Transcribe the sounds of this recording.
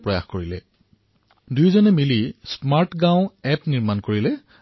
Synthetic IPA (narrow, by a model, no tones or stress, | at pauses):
pɹɔja̰xkoɹilɛ̰ | dujzɔnɛmilismaɹʈɡãʊ̃ɛpniɹmankoɹilɛ